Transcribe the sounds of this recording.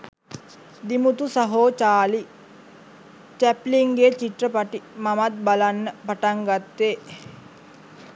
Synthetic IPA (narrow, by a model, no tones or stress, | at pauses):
d̪imut̪usaɦoːt͡ʃaːli | t͡ʃæpliŋɡet͡ʃiʈrəpaʈimamat̪̚balanːəpaʈaŋɡat̪ʋeː